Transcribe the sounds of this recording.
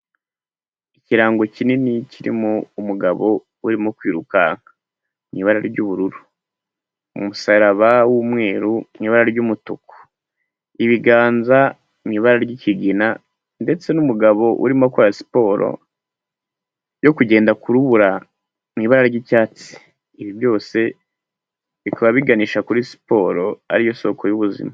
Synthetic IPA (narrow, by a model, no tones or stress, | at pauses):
iciɾaːŋɡo̞cininiciɾḭmoumuɡaβo̞ | uɾimokwiːɾukaŋa | miːβaɾaɾiɾɟuːβuɾuɾu | ṵmusaɾaβawumŋe̞ːɾumiβaɾaɾɟumutuko̥ | iβiɡaːnza | miβaɾaɾɟiciɡina | nde̞t͡se̞numuɡaβo̞ʔṵɾimokuɾasi̥po̞ːɾo̞̰ | jo̞kuɟe̞ːndakuɾuβuɾa | miβaɾaɾɟicaːt͡si̥ː | βivjo̞ːse̞ | βikaβaβiɡaniːʃakuɾisi̥po̞ɾo̞a̰ɾijoso̞ːko̞juβuzḭma